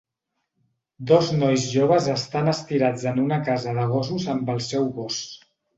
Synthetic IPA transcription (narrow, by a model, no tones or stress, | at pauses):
d̪ɔznɔjzʒoβ̞əzəst̪anəst̪iɾad͡zənunəkazəðəɣ̞ɔs̬uzəmbəlˠsɛwɣɔs